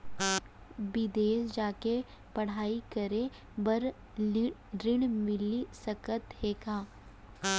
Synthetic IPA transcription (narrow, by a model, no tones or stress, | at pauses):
bɪd̪eːsd͡ʒaːke | pɐɽ̤aːikəɾe | bəɾ | ɾɪɽmɪlisɐkət̪ɦeːkaː